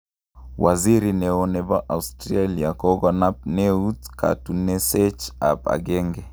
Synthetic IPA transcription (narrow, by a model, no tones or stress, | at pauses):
waziɾinɛɔnɛbaʔaustɾaliakɔɡɔnap̚nɛutkʰa̰tunɛsɛt͡ʃa̰pa̰ɡɛŋɡɛ